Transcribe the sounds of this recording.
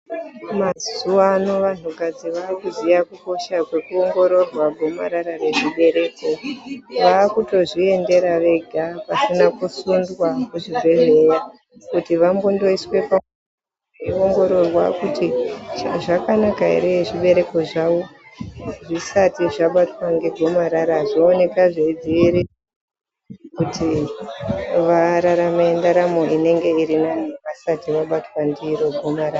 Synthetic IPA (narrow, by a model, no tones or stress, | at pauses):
mazuano̞ʋan̤ukad͡ziʋaːkuzijakuko̞ʃakwe̞kuo̞ŋɡo̞ɾo̞rwaɡʱo̞ma̰ɾaɾare̞ʐiɓe̞ɾe̞ːko̞ʋaːkuto̞ʐie̞nde̞ɾaʋe̞ɡʱapasinakusund͡zwakuʐivʱe̞re̞ja | kutiʋambondo̞iswe̞pa | eoŋɡo̞ɾo̞rwa̰kuti | ʐakanakaḭɾeʐiɓe̞ɾe̞ko̞ʐawo | ʐisatiʐaɓatwaŋɡe̞ɡʱo̞maɾaɾaʐoːne̞kaʐeid͡ziʋiɾi | kutʰi | ʋaɾaɾamendaɾamoʔine̞ŋɡe̞iɾinaniʋasatiʋaɓatwandiɾo̞ɡʱo̞maɾaːa